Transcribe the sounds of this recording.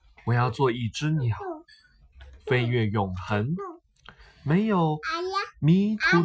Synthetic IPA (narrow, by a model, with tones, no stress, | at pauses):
wɔ˨˩jɑ˥˧ʊt͡swɔ˥˧i˥˩ʈ͡ʂɻ̩˥njɑ˨˩ʊ | fe˥ɪɥɛ˥˩jʊ˨˩ŋxə˧˦n | me˧˥ɪjo˨˩ʊmi˧˥t̪ʰu˧˥